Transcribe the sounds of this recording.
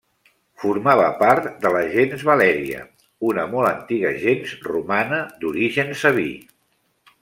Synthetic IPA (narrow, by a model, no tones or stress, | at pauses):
fuɾmaβəpaɾt̪d̪ələʒenzβəlɛɾiə̰ | unəmɔlˠənt̪iɣəʒenzrumanəd̪uɾiʒənsəβḭ